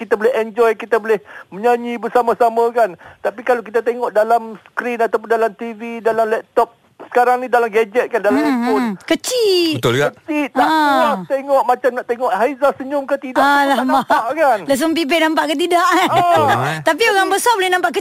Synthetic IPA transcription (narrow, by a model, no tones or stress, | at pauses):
kit̪abolɛɦɛnd͡ʒɔjkit̪abolɛhmə̃ɲaɲibərsamasamakant̪apikalakit̪at̪eŋɔʔdalamskɾinat̪awp̬ʊndalamt̪ividalamlɛp̚t̪ɔp̚ | sə̥kaɾaŋnidalamɡad͡ʒɛt̪̚kandalamɛukət͡ʃit̪ʊlkət͡ʃit̪̚aat̪eŋɔʔmãt͡ʃamnaʔt̪eŋɔʔhaizasəɲʊmkət̪idaalamaaʔkanlas̬ump̬ip̬ɛʔnãmpaʔkət̪̬idaʔ | t̪ap̬ioɣaŋbəsabolɛhnãmpaʔkə